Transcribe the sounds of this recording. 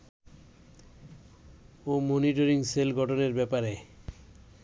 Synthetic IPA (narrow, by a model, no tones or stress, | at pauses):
omoniʈ̬oɾiŋselɡʱɔʈʰoneɾbɛpaɾe